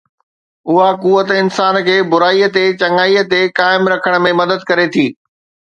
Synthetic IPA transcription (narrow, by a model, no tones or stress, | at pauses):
ʊɦakuːʋət̪ɪnsaːnkʰeːbʊɾaːiːət̪et͡ɕɐŋaːiːə̆t̪ekaːɪmɾɐkʰəɽ̃̆mẽmɐd̪əd̪̚kɐɾet̪ʰiː